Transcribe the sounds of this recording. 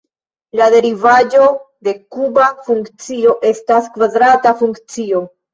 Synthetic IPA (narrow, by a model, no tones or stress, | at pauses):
lade̞ɾivad͡ʒo̞ | de̞kubafuŋkt͡sio̞ʔe̞staskvadɾatafuŋkt͡sio̞